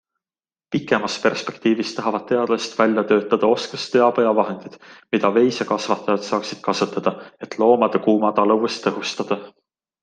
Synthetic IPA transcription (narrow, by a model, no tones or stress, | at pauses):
pikːˑe̞mɑspe̞rspe̞kt̪iːvist̪ɑɦɑvɑd̪̥̚t̪e̞ɑd̪̥lest̪vælʲjɑt̪ø̞ːt̪ːˑɑd̪̥ɑo̞skɑst̪ːeɑpɤjɑvɑɦe̞nd̪̥id̪̥mid̪̥ɑve̞jsekɑsvɑt̪ːˑɑjɑd̪̥sɑːksid̪̥̚kɑsɑt̪ːˑɑd̪̥ɑe̞t̪lo̞ːmɑd̪̥ekuːmɑd̪̥ɑlɤwvest̪ːɤɦust̪ɑd̪̥ɑ